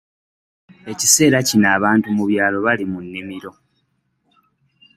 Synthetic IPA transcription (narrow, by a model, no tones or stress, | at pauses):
e̞ci̥se̞ːɾacinaːβaːntumuβjaːlo̞βalimunːimiɾo̞